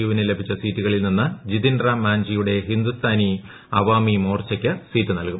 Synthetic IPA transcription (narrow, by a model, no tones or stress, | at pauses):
uʋinɨle̞bʱit͡ɕːɐsiːtːuɣɐɭilninːɨd͡ʑid̪indrɐmaːɲd͡ʑijuɽe̞ɦind̪ust̪ʰaːni | ɐʋaːmimo̞ːrt͡ɕːɐkʲːɨsiːtːɨnɐlkum